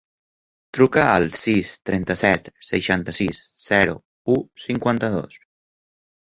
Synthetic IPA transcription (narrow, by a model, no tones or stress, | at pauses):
t̪ɾukəəlˠsist̪ɾɛnt̪əsɛt̪səʃant̪əsisz̥ɛɾṵ | usiŋkwant̪əðo̰s